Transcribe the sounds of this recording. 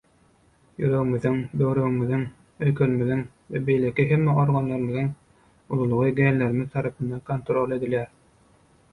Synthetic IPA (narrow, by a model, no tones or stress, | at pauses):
jy̰ɾøɣy̆myðyŋbøwɾøɣymyðyŋ | øjkʰølymyðyŋ | vɛbejlækʲiɦemːæoɾɡɑnlˠɑɾɯmiðɯŋ | ulˠulˠuʁɯɡælːeɾimiðt̪ʰɑɾɑpɯnd̪ɑnkont̪ɾolˠe̞d̪ilæɾ